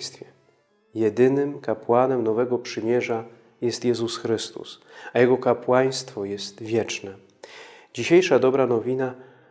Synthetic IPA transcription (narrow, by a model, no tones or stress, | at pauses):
st̪fʲjɛ | jɛd̪ɘnɘmkapwanɛmnɔvɛɡɔpʂɘmʲjɛʐa | jɛst̪jɛzusxɾɘst̪ṵsajɛɡɔkapwaj̃st̪fɔjɛst̪vʲjɛt͡ʂnɛ | d͡ʑiɕejʂad̪ɔbɾanɔvʲina